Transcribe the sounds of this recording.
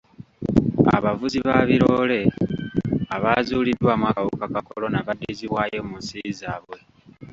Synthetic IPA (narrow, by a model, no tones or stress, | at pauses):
a̰βavuziβaβiɾole̞ | aβazuːlidwamwakawukakakolo̞naβadːiziβwaːjo̞munsizaːβwe̞